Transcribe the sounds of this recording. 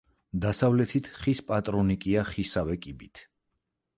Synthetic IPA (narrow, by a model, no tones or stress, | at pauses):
d̪asavlɛt̪ʰit̪ʰχispʼat̪ʼɾɔnikʼiaχisavɛkʼibit̪ʰ